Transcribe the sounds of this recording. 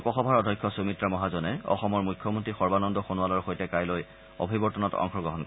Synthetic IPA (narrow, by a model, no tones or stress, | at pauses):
kɔxɔbʱaɹɔdʱɔjkʰːɔsumitɹamɔɦazɔnɛɔ̰xɔmɔɹmujkʰːɔmontɹixɔɹbanɔndɔxonualɔɹxojtɛkajloj | ɔ̰bʱibɔɹtɔnɔtɔ̰ŋxɔɡɹɔɦɔnk